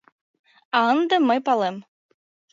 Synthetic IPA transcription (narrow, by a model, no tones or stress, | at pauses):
ɑɤnd̪ɤ̆mɤjpɑlˠem